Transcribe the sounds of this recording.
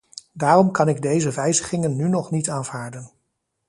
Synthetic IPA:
daːrɔmkɑnɪɡ̚dejzəʋɛjzəχɪŋənːynɔχnitaːnv̥aːɹdən

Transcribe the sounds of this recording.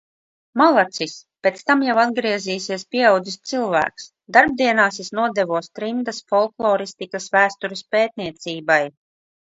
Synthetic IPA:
malˠat̪sispʲeɛt̪st̪amjawad̪ɡɾiɛziːsiɛspʲiɛawd̪zist̪silˠvæ̰ːks | d̪aɾb̚d̪iɛnaːsisnuɔd̪ɛvuɔst̪ɾind̪asfɔlˠklˠɔːɾist̪ikasvæːst̪uɾespeːt̪niɛt̪siːbaj

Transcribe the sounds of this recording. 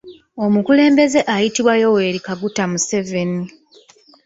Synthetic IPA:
o̞mukule̞ːmbe̞ze̞ʔajitiβwajo̞we̞ːɾikaɡutamuse̞ve̞ni

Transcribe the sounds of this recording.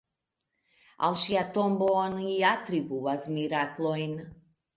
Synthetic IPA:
a̰lˠʃiat̪omboniat̪ɾibuvazmiɾaklˠoin

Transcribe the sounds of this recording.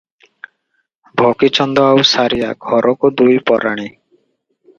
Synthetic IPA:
bʱɔkit͡ʃɔnd̪ɔawsaɾija̰ɡʱɔɾʔɔkud̪ujpɔɾaɽ̃i

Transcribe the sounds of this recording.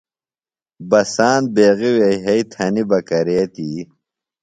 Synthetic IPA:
bɐsaːn̚beːɣiwejɦɐit̪ʰɐnibɐkɐɾeːt̪iː

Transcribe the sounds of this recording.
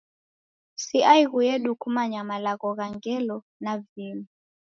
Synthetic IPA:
siʔaiɣujɛɗukumaɲamalaɣɔɣaŋɡɛlɔ | navimi

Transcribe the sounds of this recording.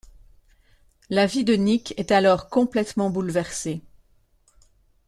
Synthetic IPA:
lavid̪ənikɛt̪alɔʁkɔ̃plɛt̪mɑ̃bulvɛʁse

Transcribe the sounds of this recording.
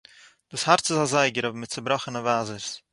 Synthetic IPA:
d̥uːshaɾtt͡sɪzazaɪɡəɾɔvmɪt̚t͡səbɾɔχənəvaːzəɾs

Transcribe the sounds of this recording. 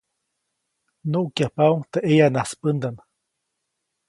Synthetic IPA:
noʔukjapauŋt̪eʔejanaspənd̪an

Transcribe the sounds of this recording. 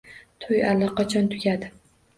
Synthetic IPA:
t̪ʰojalːɒqʰɑt͡ʃʰɒnt̪ʰʊɡʲad̪ɪ

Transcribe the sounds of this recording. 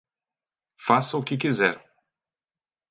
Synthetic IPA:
fasɐʊkɪk̬izɛɾ

